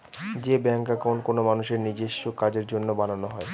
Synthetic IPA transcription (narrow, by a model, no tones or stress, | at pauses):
d͡ʑebɛŋkakonkonomanuʃeɾnid͡ʑeʃːokad͡ʑeɾd͡ʑonːobananoɦɔe